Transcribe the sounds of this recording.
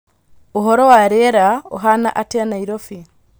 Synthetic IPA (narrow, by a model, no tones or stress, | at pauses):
oɦɔɾɔwaɾeɛɾao̰ɦana̰ʔateanaiɾɔfi